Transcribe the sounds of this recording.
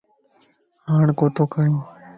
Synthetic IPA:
ɦaːɳkoːt̪oːkəɾjõː

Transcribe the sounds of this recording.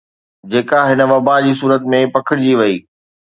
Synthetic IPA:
d͡ʑeːkaɦɪnə̆ʋɐbad͡ʑiːs̬uːɾət̪mẽpɐkʰɪɽɪd͡ʑiːʋɐiː

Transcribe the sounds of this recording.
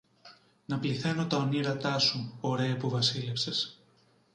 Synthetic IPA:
nɐpliθe̞no̞t̪ɐoniɾɐt̪ɐsuoɾe̞ɐpuvɐsilefse̞s

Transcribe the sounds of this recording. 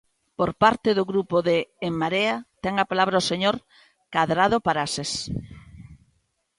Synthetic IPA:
poɾpaɾt̪ɪðʊɣɾupoðeːmːaɾeat̪ɛŋapalaβɾaoseɲoɾ | kaðɾað̞opaɾases

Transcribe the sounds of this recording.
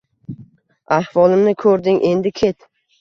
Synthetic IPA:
ahvɒlˠɪmnɪkʰɵɾd̪ɪŋʔe̞nd̪ɪkʲʰe̞t̪

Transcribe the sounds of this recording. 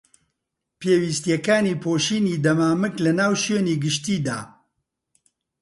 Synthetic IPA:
pʰeːwiːst̪jɛkaːniːpʰoːʃiːniːd̪ɐmaːmɨklɨnaːwʃøːniːɡɨʃt̪iːd̪a̰ː

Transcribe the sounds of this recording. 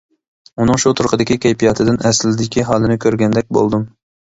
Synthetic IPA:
unɨŋʃut̪ʰuɾqʰəd̪ɪkʲikʲɛjpʰijɑt̪ʰɨd̪ɪnɛslɪd̪ɪkʲiɦɑːlˠɨnɪkʲʰøɾɡʲɛnd̪ɛk̚ʲbo̰lˠd̪um

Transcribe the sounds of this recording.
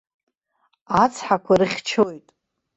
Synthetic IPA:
at͡sʰħakʷʰarɨχʲt͡ʃʰojtʼ

